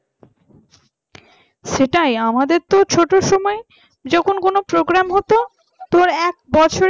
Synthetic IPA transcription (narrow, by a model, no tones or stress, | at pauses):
ʃeʈajamad̪eɾt̪ot͡ɕʰoʈoʃɔmɔe | d͡ʑɔkʰonkonopɾoɡɾamɦɔt̪o | t̪ɔɾɛk̚bɔt͡ɕʰoɾ